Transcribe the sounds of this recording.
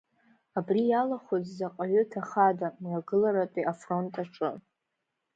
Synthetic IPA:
abrijalaχʷozzaqʼaɥʏtʰaχadamaɡɨlaɾatʼiʔafro̞ntʼaʈ͡ʂʼɨ

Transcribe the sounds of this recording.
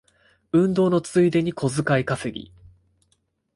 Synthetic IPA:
ɯ̟̃nd̪o̞ːno̞t͡sɨid̪e̞ɲ̟ikʰo̞zɨkaikasɨɡʲḭ

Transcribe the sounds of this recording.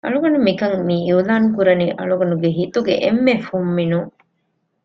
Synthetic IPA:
ʔɐ̰ɭuɡɐnumikɐŋmiiulaːnkuɾɐniʔɐ̰ɭuɡɐnuɡeɦit̪uɡḛʔemːefumːinuŋ

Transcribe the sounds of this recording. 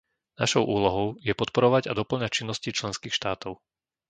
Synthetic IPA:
naʃɔʊʔuːlɔɦɔʊjɛpɔt̪̚pɔɾɔʋaɟad̪ɔpl̩ɲac̚t͡ʃinːɔscit͡ʃlɛnskiːxʃt̪aːt̪ɔʊ

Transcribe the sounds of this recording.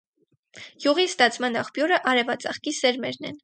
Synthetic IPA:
juʁist̪ɑt͡sʰmɑnɑχpjɔɾəʔɑɾɛvɑt͡sɑχkisɛɾmɛɾnɛ̰n

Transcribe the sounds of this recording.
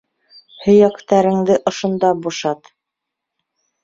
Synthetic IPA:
hɵ̆jækt̪æɾɘ̆ŋd̪ɘʔŏʃŏnd̪ɑbuʃɑt̪

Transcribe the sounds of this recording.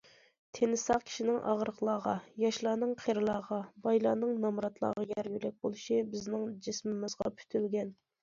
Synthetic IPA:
t̪ʰenɪsɑqkʲʰi̥ʃinɪŋʔɑ̰ʁɾəqlˠɑːʁɑjɑʃlˠɑːnɨŋqʰeɾɨlˠɑːʁɑbɑjlˠɑːnɨŋnɑmɾɑt̪lˠɑ̰ːʁɑjɛɾɡʲylɛk̚ʲbolˠɨʃibɪznɪŋd͡ʒɪsmɪmɨzʁɑ̰pʰy̥t̪ʰylɡʲɛn

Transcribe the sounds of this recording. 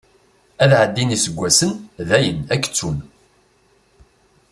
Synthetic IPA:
æðʕəd̪ːinisəɡʷːæsənðæjənækːt͡sːun

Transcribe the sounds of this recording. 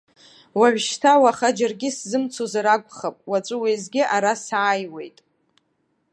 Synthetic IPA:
waʕʷᶣʃtʰawaχad͡ʒarɡʲɪszɨmt͡sʰozaɾaɡʷʼχapʼwat͡ʃʷʼɨwejzɡʲɪʔaɾasaːjwe̞̰jtʼ

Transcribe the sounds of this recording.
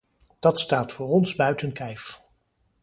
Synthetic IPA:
d̥ɑtstaːtfʊːrɔnzbœɥtənkɛjf

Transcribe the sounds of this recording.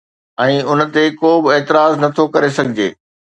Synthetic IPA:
ɛ̃ːʊn̆t̪ekoːbɪeːt̪ɪɾaːznɐt̪ʰokɐɾesɐɡʱɪd͡ʑḛː

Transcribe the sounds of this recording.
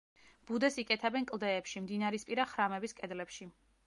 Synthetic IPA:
b̥ud̪ɛsikʼɛt̪ʰɛbɛnkʼlˠd̪ɛːpʃimd̪inaɾispʼiɾaχɾamɛbiskʼɛd̪lɛpʃi

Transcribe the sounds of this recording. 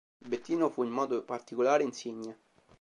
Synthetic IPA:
bet̪ːiːnofuimːɔːd̪opart̪ikolaːɾeinsiɲːe

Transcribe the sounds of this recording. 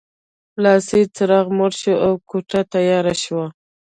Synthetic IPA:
lɑsit͡səɾɑɣmoɽʃoʔawkoʈat̪ajɑɾaʃwa

